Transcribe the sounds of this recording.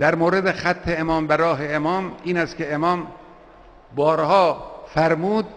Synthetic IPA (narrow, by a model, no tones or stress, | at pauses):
d̪̥æɾmoːɾed̪exæt̪ʰːe̞emɒːmbæɾɒːɦe̞emɒːmiːnæst̪kʲe̞emɒːm | bɒːɾhɒːfæɾmuːd̪̚